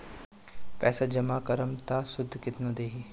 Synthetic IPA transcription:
pɛːsad͡ʒɐmaːkəɾəmt̪asʊd̪ʱːkɪt̪nõːd̪eːɦiː

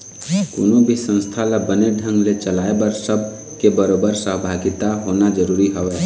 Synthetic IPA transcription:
ko̰ːnobʱisə̃nst̪ʰalabəneɖʱə̃ŋɡlet͡ʃəlaebəɾsəb̚ʱ | kebəɾobəɾsəɦbʱaɡɪt̪aɦonad͡ʒəɾuːɾiɦəʋɛ

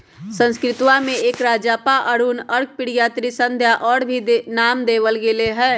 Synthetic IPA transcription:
sə̃nskɾɪt̪wamẽeːkɾaːd͡ʒaːpaʔəɽunəɾk̚pɪɽjaːt̪ɾisə̃nd̪ʱjaʔɔːɽbʱinaːmd̪eːʋəlɡeleɦɛː

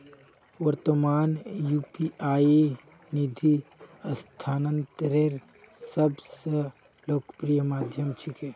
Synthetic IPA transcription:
ʋəɾt̪əmaːnjuːpiaːje | nid̪ʱiəst̪ʰaːnənt̪ɾeɾ | səbsə | loːkəpɾijəmaːd̪ʱjəmt͡ʃʰikʰe

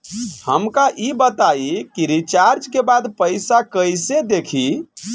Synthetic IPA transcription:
həmkaʔibət̪aikiɾit͡ʃaɾd͡ʒkebad̪pəjsakəjsed̪ekʰi

